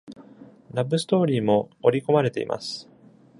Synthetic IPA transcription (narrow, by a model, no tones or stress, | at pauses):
ɾabɯ̟sɨ̥t̪o̞ːɾʲiːmo̞ːɾʲiko̞maɾe̞t̪e̞̰ḭmʔa̰sɨ̥